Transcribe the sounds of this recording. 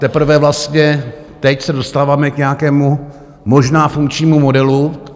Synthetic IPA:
t̪ɛpr̩vɛvlast̪ɲɛ | t̪ɛcsɛdo̞st̪aːvaːmɛkɲɛjakɛːmu | mo̞ʒnaːfuŋk̚t͡ʃɲiːmumo̞dɛlu

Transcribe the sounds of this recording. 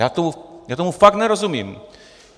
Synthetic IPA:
jaːt̪ɔmujaːt̪ɔmufak̚t̪nɛɾɔzumʲim

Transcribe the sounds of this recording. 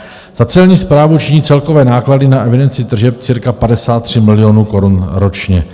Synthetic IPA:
z̥at͡sɛlɲiːspɾaːvut͡ʃiɲiːt͡sɛlko̞vɛːnaːkladɪnaʔɛvɪdɛnt͡sɪt̪r̩ʒɛp̚t͡sɪɾkapadɛsaːt̪ːr̝̥ɪmɪlɪjo̞nuːko̞ɾunɾo̞t͡ʃɲɛ

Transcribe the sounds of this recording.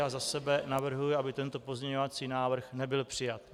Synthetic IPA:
aːzasɛbɛnavr̩ɦujɪabɪt̪ɛnt̪o̞po̞zɲɛɲo̞vat͡siːnaːvr̩xnɛbɪlpr̥ɪjat̪

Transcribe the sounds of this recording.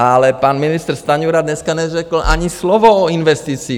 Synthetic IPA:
alɛpaːnminist̪ɛɾst̪aɲuɾad̪ɲɛskaɲɛʒɛkl̩ʔa̰ɲislɔʋɔɔinʋɛst̪iːt͡siː

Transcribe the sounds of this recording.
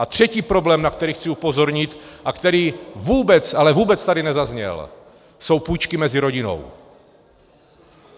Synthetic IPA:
ʔat̪r̝̥ɛciːpɾo̞blɛːmnak̚t̪ɛɾiːxt͡sɪupo̞zo̞ɾɲɪt̪ʔakt̪ɛɾiːvuːbɛt͡salɛvuːbɛt͡st̪adɪnɛzazɲɛ̰l | so̞wpuːjt͡ʃkɪmɛzɪɾo̞ɟɪno̞̰w

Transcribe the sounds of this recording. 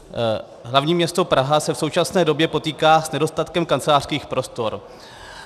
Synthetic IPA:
ɦlavɲiːmɲɛst̪o̞pɾaɦasɛfso̞wt͡ʃasnɛːdo̞bjɛpo̞t̪iːkaːsnɛdo̞st̪at̪kɛmkant͡sɛlaːr̥skiːxpɾo̞st̪o̞ɾ

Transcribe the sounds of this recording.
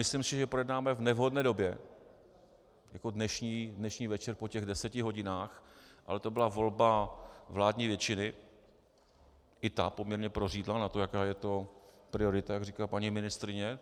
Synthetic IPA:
mɪslɪmsɪʒɛpɾojɛdnaːmɛvnɛvɦo̞dnɛːdo̞bjɛ | jako̞dnɛʃɲiːdnɛʃɲiːvɛt͡ʃɛɾpocɛɣdɛsɛcɪɦo̞ɟɪnaːxʔa̰lɛt̪o̞bɪlavo̞lbavlaːdɲiːvjɛt͡ʃɪnɪ | ʔɪt̪apomɲɛɾɲɛpɾoriːdlanat̪o̞jakaːjɛt̪o̞ | pɾɪo̞ɾɪt̪ajaɡriːkapaɲimɪnɪst̪ɾɪɲɛ

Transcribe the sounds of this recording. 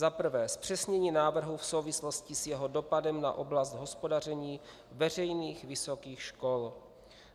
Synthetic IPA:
zapr̩vɛːspr̥ɛsɲɛɲiːnaːvr̩ɦufso̞wvɪslo̞scɪsjɛɦodo̞padɛmna̰ʔo̞blast̪ɦo̞spo̞dar̝ɛɲiː | vɛr̝ɛjniːxvɪso̞kiːxʃko̞l

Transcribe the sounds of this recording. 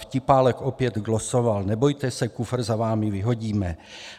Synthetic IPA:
fcɪpaːlɛkopjɛd̪ɡlosovalnɛbojt̪ɛsɛkufɾ̩zavaːmɪvɪɦo̞ɟiːmɛ

